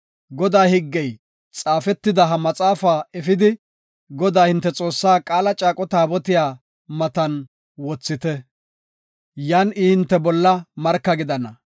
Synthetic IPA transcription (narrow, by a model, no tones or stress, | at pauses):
ɡɔd̪aːhɪɡːɛj | t͡sʼaːfɛt̪ːɪd̪ɐɦɐmɐt͡sʼaːfaːɛfɪd̪ɪ | ɡɔd̪aːhɪnt̪ːɛt͡sʼo̞ːsːaːkʼaːlɐt͡ʃʼaːkʼɔt̪aːbɔt̪ɪjaː | mɐt̪ɐn | wɔt͡sːɪt̪ɛ | jaːnɪhɪnt̪ːɛbɔlːɐmɐɾkːɐɡɪd̪ɐnɐ